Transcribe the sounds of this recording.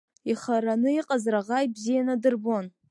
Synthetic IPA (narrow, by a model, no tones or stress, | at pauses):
iχaɾanɨiqʼazraʁajbzijanadɨrbon